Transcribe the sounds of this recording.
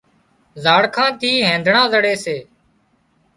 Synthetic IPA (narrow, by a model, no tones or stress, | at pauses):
zaːɽkʰãːt̪iːɦẽːnd̪ʱɳãːzəɽeːseː